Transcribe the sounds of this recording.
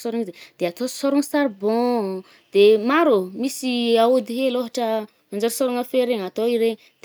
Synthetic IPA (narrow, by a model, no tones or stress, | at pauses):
soɾuŋized̪̥eat̪osoɾuŋsaɾbɔ̃ | d̪̥emaɾomisiaod̪iɦeloɦaʈ͡ʂə | and͡ʒoɾsoɾuŋafeɾeŋat̪oiɾeɲ | d̪̥